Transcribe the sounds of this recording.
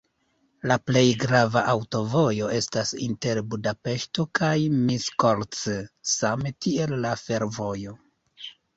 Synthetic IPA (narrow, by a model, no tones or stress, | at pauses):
laple̞jɡɾavaʔawto̞vo̞jo̞e̞stasḭnte̞ɾbudape̞ʃto̞kajmiskolt͡ssametie̞lːafe̞ɾvo̞jo̞